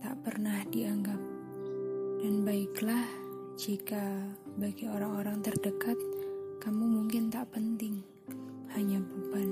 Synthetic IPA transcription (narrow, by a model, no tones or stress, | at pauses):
t̪a̰ʔpərnahdiaŋɡap̚ | d̥anbaɪklah | d͡ʒika | baɡioɾaŋoɾaŋt̪ərdəkat̪̚kamumuŋkɪnt̪aʔpənt̪ɪŋ | haɲabuban